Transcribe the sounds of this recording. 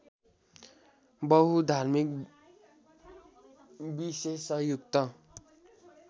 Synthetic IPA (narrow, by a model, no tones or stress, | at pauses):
bʌɦud̪ʱarmik̚ | bisesʌɦjukt̪ʌ